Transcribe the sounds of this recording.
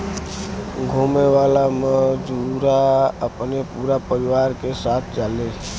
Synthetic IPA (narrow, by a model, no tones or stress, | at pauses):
ɡʱomeʋalaməd͡ʒuɾaəpnepuɾapəɾiʋaɾkesat̪ʰd͡ʒale